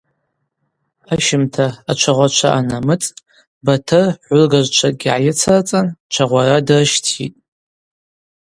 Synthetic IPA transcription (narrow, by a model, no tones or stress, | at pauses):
aʃɪmtʰaːt͡ʃʷʰaʁʷat͡ʃʷʰa̰ʔanamɨt͡sʼ | batʰɨrħʷʊlɡaʒʷt͡ʃʷʰaɡʲiʕajɪt͡sʰart͡sʼant͡ʃʷʰaʁʷaɾadrɨʃtʰḭtʼ